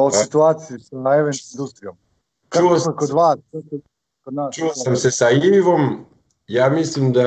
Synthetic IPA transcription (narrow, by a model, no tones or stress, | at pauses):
osit̪uaːt̪siisaeʋenind̪ust̪ɾijom | kauookod̪ʋaːskoko | kod̪naːst͡ʃuosamsesaiiʋo̞m | jaːmislimd̪a